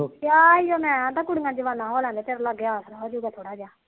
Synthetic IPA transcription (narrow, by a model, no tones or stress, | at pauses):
kjaːijoːmɛ̃ːt̪akʊɽɪŋãːd͡ʒəʋaːnãːɦoːlɛ̃ːnd̪ːt̪eːɾləɡjaːsɾaːoːd͡ʒuːɡaːt̪ʰoːɽaːd͡ʒaː